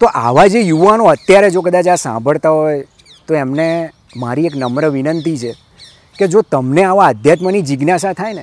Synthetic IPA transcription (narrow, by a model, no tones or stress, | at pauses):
t̪oʔa̰ʋad͡ʒejuʋanoət̪jaɾed͡ʒokəd̪at͡ʃasã̰mbʱəɭt̪aɦoje | t̪oemne | maɾieknəmɾəʋinənt̪it͡ʃʰe | ked͡ʒot̪əmneaʋaəd̪ʱjat̪mənid͡ʒiɡnasat̪ʰajne